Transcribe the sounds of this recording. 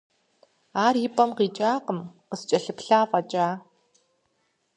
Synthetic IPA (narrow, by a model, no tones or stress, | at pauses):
aːrjipʼɐmqiːt͡ʃʼaːqəmqəst͡ʃʼɐɬɨpɬaːfʼɐt͡ʃʼaː